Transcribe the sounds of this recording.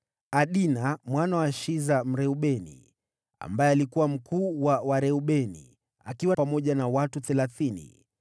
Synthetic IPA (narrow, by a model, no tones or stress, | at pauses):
aɗinamwanawaʃizam̩ɾɛuɓɛnḭ | a̰mbajɛalikuwam̩kuːwawaɾɛuɓɛnḭ | a̰kiwapamɔʄanawatuθɛlaθinḭ